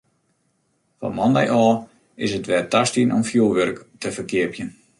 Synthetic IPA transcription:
fɔ̰mɔndɛjʔɔː | ɪsətʋɛrtastiənʔɔmfjulˠʋørktʰəfərkɪəpjən

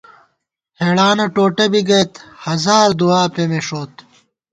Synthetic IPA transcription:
heːɽaːnɐʈoːʈɐbiɡɐt̪hɐzaːɾd̪uaːpemeʂoːt̪

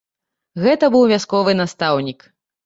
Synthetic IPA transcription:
ɣɛt̪ɐbɨwvʲaskɔvɨnast̪awnʲik

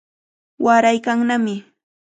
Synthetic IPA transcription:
waɾajkaŋnamɪ

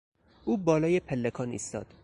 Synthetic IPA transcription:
ʔuːbɒːlɒːjepʰelːekʰɒːnḭːst̪ɒ̰ːd̪̥

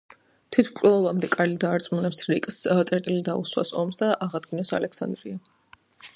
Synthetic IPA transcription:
t̪ʰwit̪ʰmkʼlɛlˠɔbamd̪ɛkʼalid̪aːɾt̪sʼmunɛpsɾikʼst̪sʼɛɾt̪ʼilid̪auswa̰sɔmsd̪aʔaʁad̪ɡinɔsa̰lɛksa̰nd̪ɾia

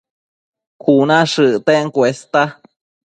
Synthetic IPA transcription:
kʰunãʂɨʔt̪eŋkʷest̪a

